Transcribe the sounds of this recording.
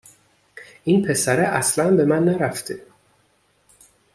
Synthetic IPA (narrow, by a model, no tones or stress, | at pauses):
ʔinpʰe̞sæɾeʔæslænbe̞mænːæɾæft̪ʰe